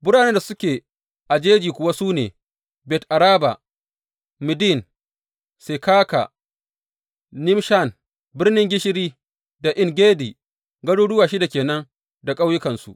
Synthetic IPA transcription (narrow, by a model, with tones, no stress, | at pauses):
bʊ˦ɽaː˨ne˦nda˨sʊ˦kʲeː˨ | ʔa˨d͡ʒeː˦d͡ʒiː˨kʷʊ˦wa˦suː˦nḛː˨ | bɛ˨tʔa˨ɾaː˦ba̰˨ | mɪ˨di˦˨n | se˨kaː˦ka̰˨ | nɪ˦mʃa˦˨n | bɪ˦rnɪ˦ŋɡʲɪ˦ʃɪ˦ɾiː˦ | da˨ʔɪ˦ŋɡʲeː˦diː˨ | ɡɐ˦ɽuː˦ɽʊ˦waː˨ʃi˦da˨kʲeː˨nɐ˦ŋ | da˨kʼa˦wjɪ˦kɐ˨nsṵ˦˨ʔ